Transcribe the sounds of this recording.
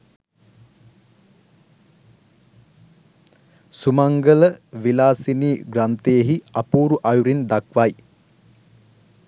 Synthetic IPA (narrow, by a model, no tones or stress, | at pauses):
sumaŋɡələʋilaːsiniːɡrant̪ejeɦiapuːɾuʔajuɾind̪akʋaj